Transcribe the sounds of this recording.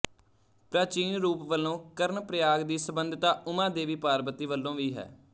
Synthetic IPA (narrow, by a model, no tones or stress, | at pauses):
pɾaːt͡ʃiːnɾuːpʋəlːõːkəɾnpɾəjaːɡd̪iːsəbənd̪ʱt̪aːʊmãːd̪eːʋiːpaːɾbət̪iːʋəlːõːʋiːɦɛ̰ː